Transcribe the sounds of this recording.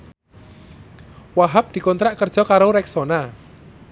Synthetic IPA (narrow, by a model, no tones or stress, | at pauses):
waɦap̚d̪̥i̤kɔnt̪ɾaʔkərd̥ʒ̥ɔ̤kaɾoɾɛksona